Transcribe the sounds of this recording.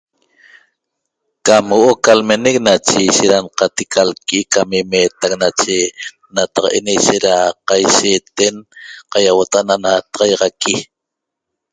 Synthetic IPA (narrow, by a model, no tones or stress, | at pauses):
kamwoʔokalmenek̚nat͡ʃeiʃeʔɾanqat̪ikʰalkʔikamimeːt̪aknat͡ʃe | nat̪ɑqɑʔenejʃeɾaqajʃeːt̪enqɑjawot̪aʔananat̪ɑʁɑjʁɑki